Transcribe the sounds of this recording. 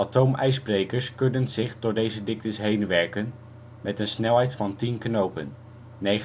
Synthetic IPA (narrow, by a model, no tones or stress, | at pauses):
atowmɛjsprejkəɹskɵnənzɪχdɔdejzədɪk̚təsɦejnʋɛɹkən | mɛtənsnɛlˠɦɛjtfɑntinknowpənː | ej